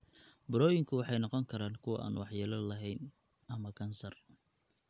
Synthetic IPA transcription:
bʊɾɔːjɪŋkʰʊwɑħɑjnɑqɔŋkʰɐɾaːŋkʰʊwɐ̰ʔa̰ːnwɑħjaːlɐlɐɦɛjn | ɐmɐkʰɐnsɐr

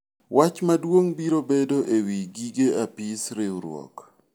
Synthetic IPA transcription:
wʔat͡ʃmadwoŋbiɾobedoʔewiɡiɡeapɪsɾɪuɾwɔ̰k

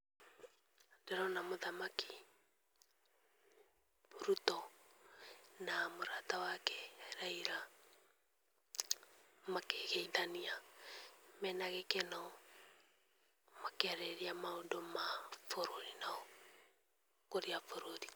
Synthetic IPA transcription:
deɾɔnamoðamaki̥ | oɾutɔ | namoɾatawakɛɾaiɾa | makeɣeiðania | mɛnaɣekenɔ | makeaɾeɾiamaondomafoɾoɾinaɔ | koɾiafoɾoɾi

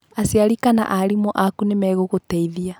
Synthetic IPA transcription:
asiaɾikana̰ʔaɾimɔʔakunemɛɣoɣotɛiðia

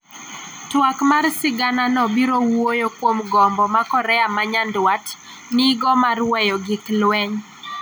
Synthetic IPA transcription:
twakmarsɪɡananɔbiɾowojokwomɡɔmbɔmakɔɾɛamaɲandwat | niɡɔmarwɛjɔɡɪklwɛɲ

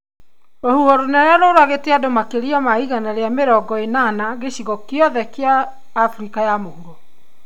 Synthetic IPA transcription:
ɾohuɔɾonɛɾaɾoɾaɣeteadomakeɾiamaiɣanaɾeameɾɔɡɔenanaɣeɕiɣɔkeɔðɛkeaː | fɾikajamohuɾo

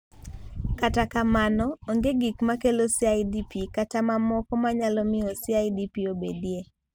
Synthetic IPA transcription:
katakamanɔoŋɡeɡikmakelosiajdipikatamamɔkɔmaɲalɔmɪɔsɪajdipiobḛdje

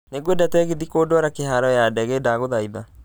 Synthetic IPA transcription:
neɡwedatɛɣiðikoːdwaɾakeɦaɾɔjadɛɣedaɣoðaiða

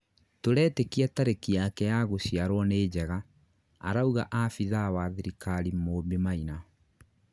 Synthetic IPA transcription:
toɾɛːtekiataɾekiakɛjaɣoɕjaɾwɔneːd͡ʑɛɣa̰ː | ɾauɣa̰ʔafiðawaðiɾikaɾimoːbemaina

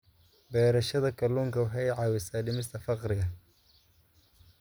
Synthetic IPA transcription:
bɛːɾɐʃɐðɐkʰɐluːŋkʰɐʊħɛjʕɑːwɪsaːɖɪmɪst̪ʰɐfɑqɾɪɣɐ

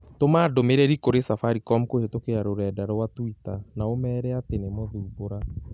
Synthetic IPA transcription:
tomaːdomeɾɛɾikoɾesafaɾikɔmkohetokeɾaɾoɾɛːdaɾɔwatwitanaomɛːɾɛatenemɔðuːboɾa

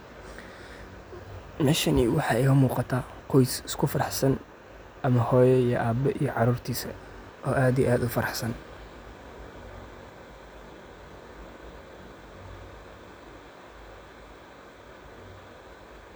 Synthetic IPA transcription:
mɛʃɐniwɑħɑːɛɪkɐmuːqɑt̪ʰaː | qʰɔjsɪskʰʊfɐɾɑħsɐn | ʔɐmɐhɔːjɛijɔʔaːbɛʔijɔʕɑɾuːrt̪ʰiːsɐ | ʔɔːʔaːd̪ijʔaːd̪ʊfɐɾɑħsɐn

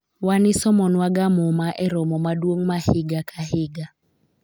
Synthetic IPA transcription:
wanɪsɔmɔnwaɡamɔmaʔɛɾɔmɔmadwoŋmahɪɡakʰahɪɡa

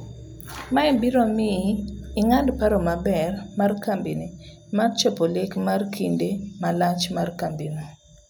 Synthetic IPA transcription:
maɛbiɾomiː | ŋadpaɾomabɛrmarkambini | mart͡ʃɛpolekmarkʰindemalat͡ʃmarkambino

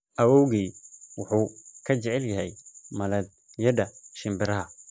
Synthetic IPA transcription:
ʔɐwɔwɣiːwʊħuːkʰɐt͡ʃɛʕɛljɐɦɛjmɐlɐd̪ | jɐdɐʃɪmbɪɾɐɦɐ

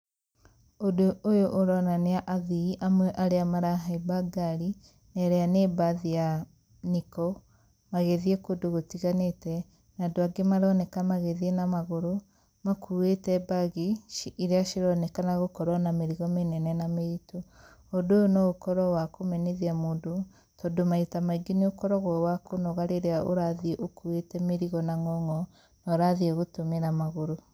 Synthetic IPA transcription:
odoʔːjoʔːɾɔnaneaʔaðiiʔamwɛʔaɾeamaɾaɦaibaɡaɾi | nɛɾɛanebaðia | nikɔ | maɣeðiekodoɣotiɣanetɛ | nadoaɡemaɾɔnɛkamaɣeðienamaɣoɾo | makʰuetɛbaɣiiɾeaʃiɾɔnekanaɣokɔɾɔnameɾiɣɔmenɛnɛnameito | odojonɔokɔɾɔwakomɛneðiamoːndo | tɔdomaitamaiɡeniokɔɾɔɣwɔwakonɔɣaɾeɾeaoɾaðieʔokuetɛmeɾiɣɔnaŋɔŋɔ | naɾaðieɣotomeɾamaɣoɾo

